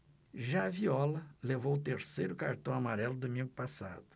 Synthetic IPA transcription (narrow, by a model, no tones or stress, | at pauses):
ʒaviɔlɐlevowt̪eɾsejɾʊkaɾt̪ɐ̃w̃amaɾɛlʊd̪omĩŋɡʊpasa̰d̪ʊ̥